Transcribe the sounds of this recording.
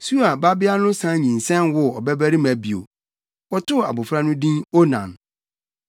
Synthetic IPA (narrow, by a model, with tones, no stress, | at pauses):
su˦a˨ba˦bɪ˦a˦nʊ̃˦sã˦ɲĩ˨n̩˨sɛ̃˦nwʊ˦ɔ˨bɛ˦bæ˦ɾi˦mæ˨bi˨o̰˨ | wɔ˦tʰʊ˦a̰˨bʊ˨fɾa˦nʊ̃˦dĩ˦no˦nã̰˨n